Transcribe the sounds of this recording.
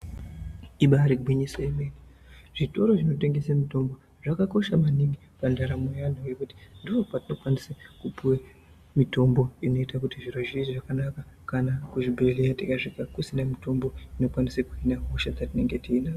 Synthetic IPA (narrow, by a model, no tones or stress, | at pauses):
iɓaɾiɡʱwiɲiseimeni | ʐ̥ito̞ɾo̞ʐino̞te̞ŋɡe̞semito̞mbo | ʐ̥akako̞ʃamaniŋɡi | pandaɾamojan̤oujekuti̥ndiopatino̞kwanisekupuwe | mito̞mboino̞itakutiʐiroʒiiʐakanakakanakuʐibʱelejatikaʐikakusindamito̞mbo̞ino̞kwanisekuinaɦoʃad͡zatine̞ŋɡe̞tiːna